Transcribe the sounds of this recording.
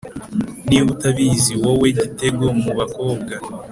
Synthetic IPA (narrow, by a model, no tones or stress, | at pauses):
niwutaβiziwowe̞ɟite̞ɡo̞muβako̞ːb̚ɡa